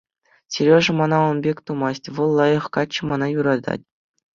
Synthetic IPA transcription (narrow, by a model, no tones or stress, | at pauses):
sʲeɾʲoʐɘ̆mɑnɑɤ̆nbʲekʲt̪umɑsʲtʲʋɤ̆lˠːɑjɤ̆χkɑt͡ɕːɘ̆mɑnɑjuɾɑd̪ɑ̰tʲ